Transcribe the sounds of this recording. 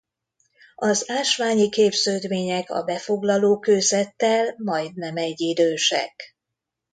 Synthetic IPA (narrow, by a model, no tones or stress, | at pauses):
ɒzaːʃʋaːɲikeːbzøːd̪meːɲɛkɒ̰bɛfo̞ɡlɒloːkøːzɛt̪ːɛlmɒjd̪nɛmɛɟːid̪øːʃɛ̰k